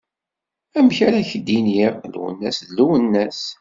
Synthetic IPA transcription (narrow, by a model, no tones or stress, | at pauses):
æmçaɾæçəd̪iniɾlṵwə̰nːæsluwənːæs